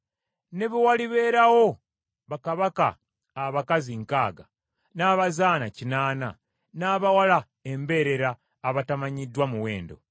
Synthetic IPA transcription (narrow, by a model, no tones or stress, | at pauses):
ne̞βiwaliβe̞ːɾawo̞ | βakaβaka̰ː | βakaziŋkaːɡa | naːβazaːnacinaːna̰ | naːβawala | e̞mbe̞ɾe̞ɾaː | βatamaɲidːwamuwe̞̰ːndo̞̰